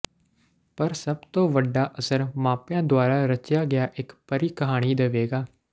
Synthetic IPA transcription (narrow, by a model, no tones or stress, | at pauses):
pəɾsəb̚t̪õːʋəɖːaːʔəsəɾmãːpjãːd̪ʊaːɾaːɾət͡ʃjaːɡɪjaːʔɪkpəɾiːkəɦaːɽ̃iːd̪əʋeːɡaː